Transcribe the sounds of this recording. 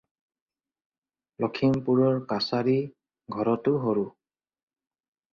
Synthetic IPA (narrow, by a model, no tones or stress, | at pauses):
lɔkʰimpuɹɔɹkasaɹi | ɡʱɔɹɔtʊɦoɹu